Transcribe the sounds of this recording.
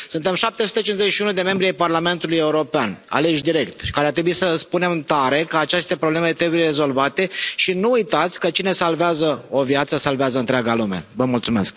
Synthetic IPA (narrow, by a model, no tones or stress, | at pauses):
sunt̪e̞mʃap̚t̪e̞su̥t̪et͡ʃinzet͡ʃʃiunud̪e̞me̞mbɾiajparlame̞nt̪uluje̞uɾo̞peana̰le̞ʃ̬d̪iɾe̞kt̪kaɾeart̪ɾe̞buisəspune̞mt̪aɾe̞kəat͡ʃe̞st̪e̞pɾoble̞me̞t̪ɾebuje̞ɾe̞zo̞lvat̪e̞ʃinuujt̪at̪sʲkət͡ʃine̞salveazəo̞vjat̪səsalveazəɨnt̪ɾʲaɡalume̞̰vəmult̪sume̞sk̚